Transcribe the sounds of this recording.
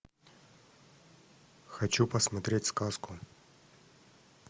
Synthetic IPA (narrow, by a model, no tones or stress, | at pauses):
xɐt͡ɕupɐsmɐt̪ɾʲetʲskaskʊ